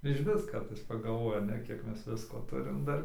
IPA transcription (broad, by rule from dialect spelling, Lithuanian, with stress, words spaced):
ɪʃʲˈʋʲɪs ˈkɐrtɐɪs pɐɡɐlˠˈʋoːjɛmʲɛ ˈkʲiɛk ˈmʲɛs ˈʋʲɪskoː ˈtʊrʲɪm ˈdɐr